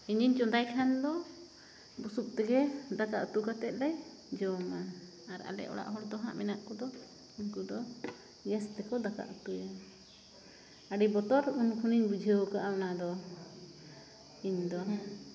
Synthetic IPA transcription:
iɲiɲt͡ʃɔd̪ajkʰand̪ɔ | busup̚t̪ɛɡɛd̪akaʔut̪ukat̪ɛt̪̚ˀlɛj | d͡ʒɔma | aɾa̰lɛ̰ʔɔ̰ɽa̰ʔɦɔɽd̪ɔɦã̰ʔmɛnaʔkɔd̪ɔ | iɲkud̪ɔ | ɡɛst̪ɛkɔd̪aka̰ʔut̪uja | aɽibɔt̪ɔɾunkʰuniɲbud͡ʒʱəwkaʔawnad̪ɔ | iɲd̪ɔ

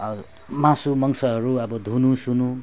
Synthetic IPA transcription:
mãsumʌŋsʌɦʌɾuʌbʌd̪ʱunusunu

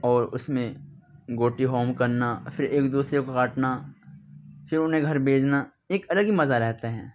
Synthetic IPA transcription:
ɔːɾʊsmẽɡoːʈiɦoːmkɐɾnafʰɪɾeːkd̪uːsɾekokaːʈna | fɪɾʊnɦẽɡʱɐɾbʱeːd͡ʒna | eːkɐləɡɦimɐzaɾɛɦt̪eɦɛ̃ː

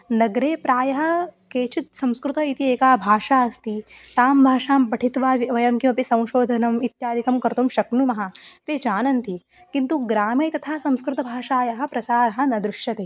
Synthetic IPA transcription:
nɐɡɾeːpɾaːjɐɦɐ̆keːt͡ʃit̪̚sɐ̃m̃skɾut̪ɐit̪ieːkaːbʱaːʃaːɐst̪it̪aːmbʱaːʂaːmbɐʈʰit̪ʋaːʋiʋɐjɐmkimɐpisɐ̃w̃ʃoːd̪ʱɐnɐmit̪jaːd̪ʱikɐmkɐɾt̪umʃɐknumɐɦɐt̪eːd͡ʒaːnɐnt̪i | kint̪uɡɾaːmeːt̪ɐt̪ʰaːsɐ̃mskɾut̪ɐbʱaːʃaːjɐɦɐ̆pɾɐsaːɾɐɦɐ̆nɐd̪ɾuʃjɐt̪eː

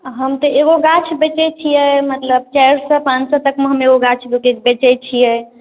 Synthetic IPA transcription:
ɦəmt̪əeɡoɡat͡ʃʰbet͡ʃɛt͡ʃʰijɛmət̪ləb̚t͡ʃajɾsə̃pãt͡ʃsə̃t̪əkmeɦəmeɡoɡat͡ʃʰdoked͡ʒbet͡ʃɛt͡ʃʰijɛ

